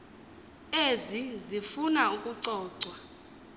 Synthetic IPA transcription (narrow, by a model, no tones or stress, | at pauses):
ezizifunaukʼuǀɔːǀwa